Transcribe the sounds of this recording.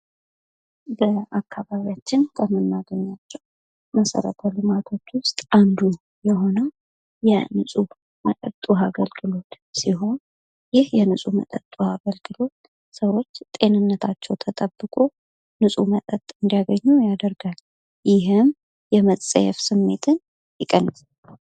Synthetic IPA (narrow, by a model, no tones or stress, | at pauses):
bəakʰːaβaβijat͡ʃːɪnkʰəmɨnːaɡəɲːat͡ʃːɛw | məsə̰ɾə̰t̪ʰəlɨmat̪ʰo̞t͡ʃːwʊst̪ʼʔand̪u | jɛɦo̞nə | jɛnɨsʼu | mət̪ʼə̰t̪ʼuaɡəlɡɨlo̞t̪ | siɦo̞n | jɪhjɛnɨsʼumə̰t̪ʼət̪ʼːuaɡəlɡɨlo̞t̪̚ | səwo̞t͡ʃːt̪ʼe̞nɨnːət̪ʰat͡ʃːɛwt̪ʰət̪ʼəbːɨkʼu | nɨsʼumət̪ʼət̪ʼɨnd̪ijaɡəɲːujad̪əɾɡal | jɪɦɨm | jɛmət͡sːʼə̰jɛ̰fsɨmːe̞t̪ʰɨn | jɪkʼːənːəsʼal